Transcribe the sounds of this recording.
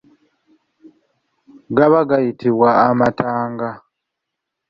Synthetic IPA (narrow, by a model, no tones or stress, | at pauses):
ɡaβaɡajitʰiβwaːmataːŋɡa